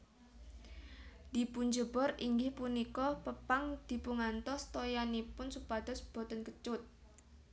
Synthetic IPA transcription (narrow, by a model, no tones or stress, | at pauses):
d̪̥i̤puɲd͡ʒəbɔɾiŋɡɪhpunikɔpəpaŋd̪̥i̤puŋant̪ɔst̪ojanipʊnsupad̪̥ɔsb̥ɔ̤t̪ɔnkət͡ʃʊt̪̚